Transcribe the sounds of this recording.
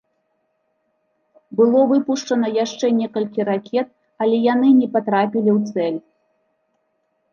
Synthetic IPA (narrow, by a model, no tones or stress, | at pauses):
bɨlˠɔvɨpuʂt͡ʂɐnɐjaʂt͡ʂɛnʲɛkɐlʲkʲiɾakʲʰɛt̪̚ | ɐlʲɛjanɨnʲɛpat̪ɾapʲilʲiwt̪sɛlʲ